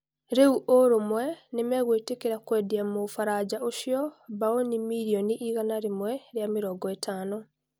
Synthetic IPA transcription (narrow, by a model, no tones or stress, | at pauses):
ɾeuʔoɾomwɛnemɛɣwetekeɾakwɛdiamofaɾad͡ʑaʔoʃjɔbaonimiɾioniʔiɣanaɾemwɛɾjamiɾɔɡɔetʰaːnɔ